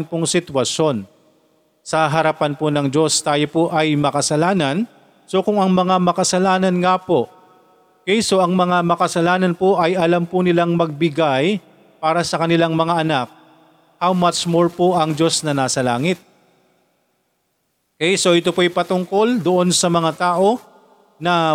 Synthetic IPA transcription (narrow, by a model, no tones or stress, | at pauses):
npoŋsɪt̪wɐʃjo̞n | sɐɦɐɾɐpanponɐŋd͡ʒo̞st̪aːjo̞poʔɐjmɐkɐsɐlaːnɐn | so̞kʊŋɐŋmɐŋamɐkɐsɐlaːnɐnŋaːpo̞ | kɛjso̞ʔɐŋmɐŋamɐkɐsɐlaːnɐnpoʔɐjʔɐlampʊnɪlaŋmɐɡ̚bɪɡaj | paːɾɐsɐkɐnɪlaŋmɐŋaʔɐnak̚ | hawmat͡ʃmoɹpoʔɐŋd͡ʒo̞snɐnaːsɐlaːŋɪt̪̚ | kɛjso̞ʔɪt̪o̞pojpɐt̪ʊŋko̞ld̪oʔo̞nsɐmɐŋat̪aːʔo̞ | nɐ